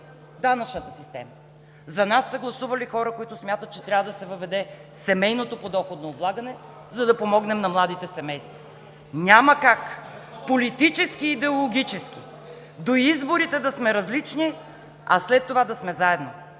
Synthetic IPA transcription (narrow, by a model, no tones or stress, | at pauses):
d̪anɐt͡ʃnət̪əsist̪ɛ̰mə | zɐnasːɐɡlˠɐsuvɐlixɔɾəkoit̪ʊsmʲjat̪ət̪̚t͡ʃɛt̪ɾʲavəd̪ɐsɛvɐvɛd̪ɛsɛmɛjnot̪opod̪ɔxod̪noːblˠaɡɐnɛ | zɐd̪ɐpomɔɡnɛmnɐmlˠad̪it̪ɛsɛmɛjst̪vɐ | ɲʲaməkakpolit̪it͡ʃɛskiːd̪ɛolˠoɡʲit͡ʃɛsk̟i | d̪oizboɾit̪ɛd̪ɐsmɛɾɐzlit͡ʃni | ɐ̰slɛt̪ːovad̪ɐsmɛzaɛd̪no